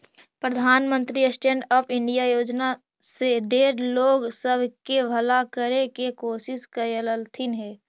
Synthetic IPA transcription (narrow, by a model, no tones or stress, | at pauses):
pɾəd̪ʱaːnmə̃nt̪ɾiəsʈẽːɳɖəpʰɪ̃ɳɖijajoːd͡ʒna | seɖeːɾloːɡsəbʱkebʱəlakəɾekekoːsɪskəjələlt̪ʰɪnɦɛː